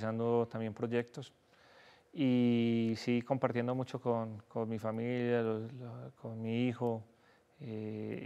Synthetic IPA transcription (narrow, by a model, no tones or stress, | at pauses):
sand̪ot̪ambje̞mpɾo̞ʝe̞k̚t̪os | isiɣko̞mpaɾt̪je̞nd̪o̞mut͡ʃokonkonmifamiljalolkʰonmiixo | e